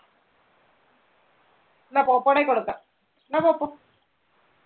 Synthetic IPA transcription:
napoːpːoɽekːoɽukːa | napoːpːo

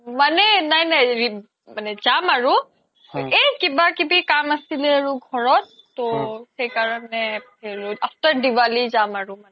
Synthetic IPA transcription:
manɛnajnajɹi | manɛzamaɹu | ejkibakibikamasilɛaɹuɡʱɔɹɔtːoxejkaɹɔnɛpʰeloaptaɹdiwalizamaɹumanɛ

